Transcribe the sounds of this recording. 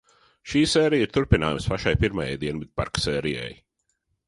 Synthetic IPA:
ʃiːsɛːɾijiɾ̥t̪uɾpina̰ːjumspaʃajpiɾmaja̰jd̪iɛnvid̪̚pa̰ɾksɛːɾijɛ̰j

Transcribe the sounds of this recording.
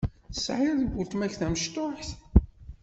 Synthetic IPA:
θsʕɪɾðəɡʷːʊlt̪mæçθæməʃt̪ʊħθ

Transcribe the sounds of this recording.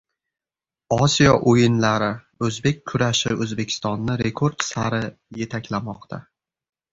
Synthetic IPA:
ɒsijɒʔojɪnlaɾɪ | ɵzbe̞kʲʰːʊɾaʃɪɵzbe̞kʲʰɪ̥st̪ɒnːɪɾe̞kʰoɾd̪saɾɪ | je̞t̪ʰakʲlamɒqt̪ʰa̰

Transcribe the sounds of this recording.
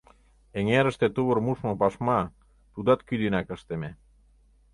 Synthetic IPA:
eŋeɾə̆ʃt̪et̪uβə̆rmuʃmɤ̆pɑʃmɑ | t̪ud̪ɑt̪kyd̪ynækə̆ʃt̪eme

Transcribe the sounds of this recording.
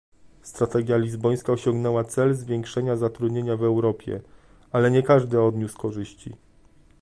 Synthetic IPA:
st̪ɾat̪ɛɡʲjalʲizbɔj̃skaɔɕɔŋɡnɛwat̪sɛlzvʲjɛŋkʂɛɲazat̪ɾud̪ɲeɲavɛwɾɔpʲjɛ̰ | alɛɲɛkaʐd̪ɘɔd̪ɲʲuskɔʐɘɕt͡ɕḭ

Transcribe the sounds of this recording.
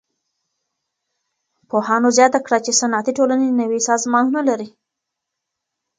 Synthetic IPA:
pohɑnozjɑt̪akɽat͡ʃesanɑt̪iʈolanenawisɑzmɑnunalaɾi

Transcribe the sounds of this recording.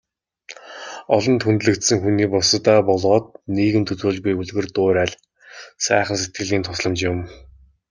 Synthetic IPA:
ɔɮɞ̆nt̪ʰunt̪̆ɮɘ̆kt̪sɘ̆ŋxuniːpɔsət̪aːpɔɮʁɔːt̪̚niːɣɘ̆mt̪ʰɵt͡s̪uːɮɣujuɮɣɘ̆rt̪ʊːɾæːɮ | sæːχə̆ns̬et̪̚ɡɘ̆ɮiːnt̪ʰʊsɮə̆mt͡ɕjʊ̆m

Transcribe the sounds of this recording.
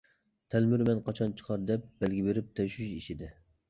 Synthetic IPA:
t̪ʰɛlmyɾmɛnqʰɑt͡ʃʰɑnt͡ʃʰə̥qʰɑɾd̪ɛp̚b̥ɛlɡʲibeɾɪp̚t̪ʰɛʃyʃiʃid̪ɪ

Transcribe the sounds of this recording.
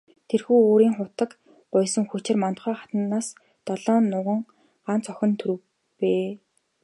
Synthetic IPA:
t̪ʰerxuːoːɾiːŋχʊt̪ə̆k | ɢ̥ʊjsə̆ŋxut͡ɕɪ̆rmant̪̆χœːχḁt̪nːaːs | t̪ɔɮɔːnːʊʁə̆ŋ | ɢ̥an̥t͡sœxʲɪ̆nt̪ʰɵɾɘ̆w | peː

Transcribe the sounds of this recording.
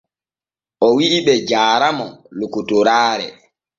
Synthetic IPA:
ʔɔwiʔːɓɛd͡ʒaːɾamɔlokutuɾaːɾɛ̰

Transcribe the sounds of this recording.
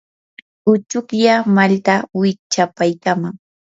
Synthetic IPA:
ʊt͡ʃʊkjamalt̪awɪt͡ʃapajkamaŋ

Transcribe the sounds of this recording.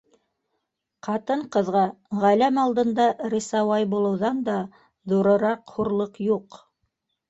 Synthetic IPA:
qɑt̪ɤɴqɤ̆ðʁɑ | ʁælæmɑlˠd̪ɤ̆nd̪ɑɾisɑwɑjbulˠɤ̆wðɑnd̪ɑ | ðuɾɤ̆ɾɑqhuɾlˠɤqjuq

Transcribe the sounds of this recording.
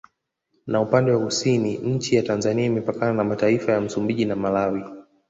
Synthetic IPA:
naupandɛwakusiniɲ̩t͡ʃijatanzaniaimɛpakananamataifajam̩sumbiʄinamalawi

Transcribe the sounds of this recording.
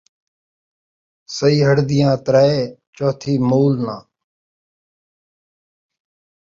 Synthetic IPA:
səiːɦəɽd̪ɪjãːt̪ɾaːeːt͡ʃoːt̪ʰiːmuːlnãː

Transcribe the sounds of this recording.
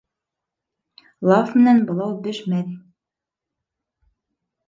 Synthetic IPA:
lˠɑfmɘ̆nænbɤ̆lˠɑwbɘʃmæɾi

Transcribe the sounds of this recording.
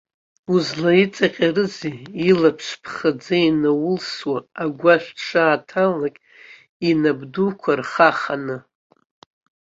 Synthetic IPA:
uzlait͡sʼaqʲʼarɨziːlapʰʂʷpʰχad͡zajnawʊlswaːɡʷaʃᶣʂʰaːtʰalakʲʼ | inabdukʷʰarχaχanɨ

